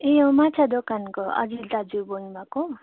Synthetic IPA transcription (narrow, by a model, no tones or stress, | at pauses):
eomat͡sʰad̪okankoʌ̰d͡zilt̪ad͡zuboĩmako